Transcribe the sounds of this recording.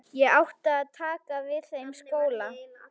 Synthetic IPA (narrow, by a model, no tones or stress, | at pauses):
jɛɣawht̪aːðt̪ʰaːkavɪðθejmskoːwla